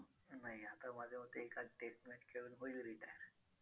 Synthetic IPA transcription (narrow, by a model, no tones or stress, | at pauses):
naɦiat̪amad͡zʱemət̪ːeːkaʈesʈmeɳʈkʰeɭuːnɦoilɾiʈajəɾ